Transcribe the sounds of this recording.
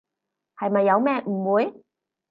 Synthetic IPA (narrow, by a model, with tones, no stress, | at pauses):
hɐ˨jmɐ˨jːɐ˨˧wmɛː˥m̩˨˩wuː˨˧j